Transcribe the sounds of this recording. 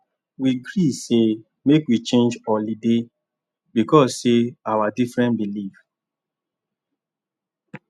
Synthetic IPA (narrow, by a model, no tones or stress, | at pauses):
wiɡɾise | mekwit͡ʃẽnd͡ʒɔlide | bikɔsːeawadifɹɛ̃nbilif